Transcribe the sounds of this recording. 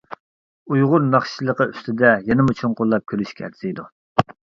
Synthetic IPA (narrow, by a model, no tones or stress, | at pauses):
ujʁʊɾnɑχʃilˠəqəyst̪ɪd̪ɛjɛnɪmut͡ʃʰunqʰolˠːɑp̚kʲʰølyʃkʲʰæ̰ɾd̪ɪid̪u